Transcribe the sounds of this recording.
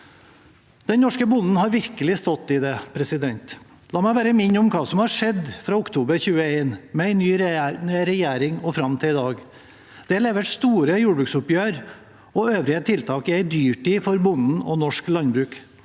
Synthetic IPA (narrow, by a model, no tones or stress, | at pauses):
d̪̥ɛnnɔʂkəbʊnn̩hɑɾʋɪɾkəlɪst̪ɔt̪ːɪd̪ɛpʰɾɛsɪd̪ɛnt̪ | lɑːmæɪʋæːɾəmɪɲːʊmkʰɑːsɔmhɑʂɛd̪fɾɑːʊkt̪ʰuːbəɾçʉːəeːnmɛæɪnyːnɾɛjæːɾɪŋɔfɾɑmt̪ʰɪɪd̪ɑːɡ | d̪̥ɛhɭeːʋəʈst̪uːɾəjuːɖbɾʉːksʊpjøːɾ | ɔøːʋɾɪət̪ʰɪlt̪ʰɑːkɪæɪd̪yːʈiːfɔɾbʊnn̩ɔnɔʂklɑnbɾʉːk